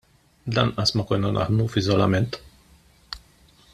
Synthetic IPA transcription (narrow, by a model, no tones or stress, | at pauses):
d̪a̰nasmakojnonʔa̰hnufizola̰ment̪